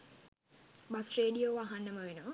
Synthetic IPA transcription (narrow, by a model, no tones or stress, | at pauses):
bɐsreːɖijoːʋaɦanːəməʋenəʋə